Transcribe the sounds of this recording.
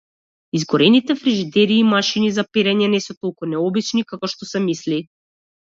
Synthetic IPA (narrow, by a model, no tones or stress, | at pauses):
izɡɔɾɛnit̪ɛfɾiʒid̪ɛɾiːmaʃinizapɛɾɛɲɛnɛsɔt̪ɔlˠkunɛɔbit͡ʃnikakɔʃt̪ɔsɛmisli